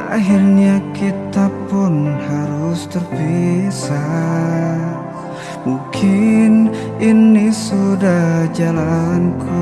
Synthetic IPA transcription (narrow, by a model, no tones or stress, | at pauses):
ʔa̰ɦirɲakit̪apʊnhaɾʊst̪ərbisa | muŋkʰɪn | inisudahd͡ʒalankʰu